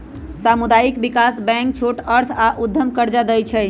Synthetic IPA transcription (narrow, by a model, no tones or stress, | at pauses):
samud̪ajikbikasbɛ̃ŋk̚t͡ʃʰoʈəɾt̪ʰaʔud̪ʱːəmkəɾd͡ʒad̪ɛjt͡ʃʰɛj